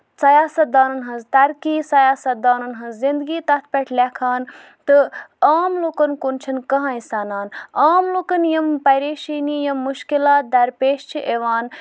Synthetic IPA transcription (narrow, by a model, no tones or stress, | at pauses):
sɐjaːsɐt̪̚d̪aːnɐnɦɐ̃nzt̪ɐɾkiːsɐjaːsɐt̪̚d̪aːnɐnɦɐ̃nzzind̪ɡiːt̪ɐt̪̚ʰpʲɐʈʰlʲekʰaːn | t̪ɨaːmloːkɐnkunt͡ʃʰɐnkɐɦãːĩsaːnaːnaːmloːkɐnjɐmpɐɾeːʃiːniːjɐmːuʃkilaːt̪̚d̪ɐɾpeːʃt͡ʃʰiʔeʋaːn